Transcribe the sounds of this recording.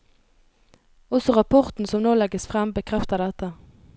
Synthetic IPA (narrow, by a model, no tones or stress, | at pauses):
ɔsɔʁɑpʰɔʁt̪n̩sɔmnoːlɛɡəsfʁɛmbəkʰʁɛft̪əd̪ɛt̪ə